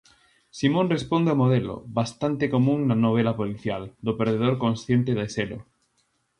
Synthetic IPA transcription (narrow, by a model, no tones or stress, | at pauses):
simõnrespond̪eamoð̞elo̰βast̪ant̪ekomũŋːanoβ̞elapoliθjald̪opeɾðeðoɾkonsθjẽnt̪eðeselo̰